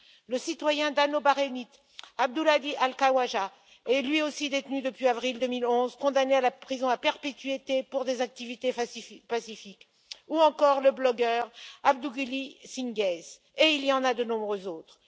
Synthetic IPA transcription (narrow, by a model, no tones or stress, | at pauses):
ləsit̪wajɛ̃d̪anobaʁenit̪ | ab̚d̪ulad̪iʔalkawaʒa | ɛlɥiosid̪et̪nyd̪əpɥiavʁild̪ømilɔ̃zkɔ̃d̪anealapχizɔ̃apɛʁpet̪iet̪epuʁd̪ezak̚t̪ivit̪epasifik | uɑ̃kɔʁləblɔɡœʁab̚d̪uɡilisĩŋɡɛz | eilijɑ̃nad̪ənɔ̃bʁøzoːt̪χ